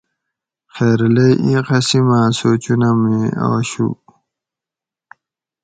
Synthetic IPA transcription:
xeːɾlejʔĩqɐsimaːsoːt͡ɕunamia̰wɕṵ

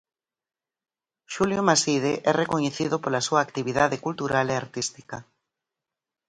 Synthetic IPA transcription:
ʃuljomasið̞eʔɛrekoɲeθiðopolasuaːkt̪iβ̞iðaðekult̪uɾalea̰ɾt̪ist̪i̥ka

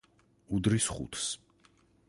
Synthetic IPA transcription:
ud̪ɾisχṵt̪ʰs

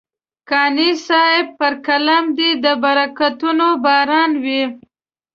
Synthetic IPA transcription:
kɑnisɑɪb̚pəɾkalamd̪id̪əbaɾakat̪unobɑɾɑnwi

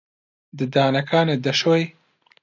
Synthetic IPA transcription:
d̪ɨd̪aːnɐkʰaːneːd̪ɐʃoj

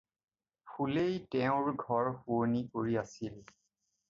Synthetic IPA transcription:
pʰulejtɛʊ̃ɹɡʱɔɹxuonikoɹiasil

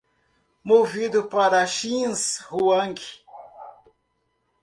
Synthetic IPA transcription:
movid̪ʊpaɾɐʃĩshuɐ̃ŋki̥

